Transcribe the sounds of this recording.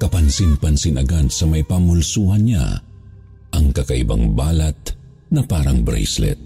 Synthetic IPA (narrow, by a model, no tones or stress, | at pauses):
kɐpɐnsɪnpɐnsɪnʔɐɡad̪sɐmɐjpɐmʊlsuːhɐnɲa̰ | ʔɐŋkɐkɐʔɪ̰ba̰ŋbaːlɐt̪̚ | nɐpaːɾɐŋbɾɛ̰jslɛ̰t̪̚